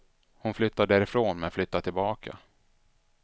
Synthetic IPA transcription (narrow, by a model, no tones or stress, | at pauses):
hʊnflʏt̪ːad̪æːɾɪfɾoːnmɛnflʏt̪ːat̪ʰɪlbɑːkʰa̰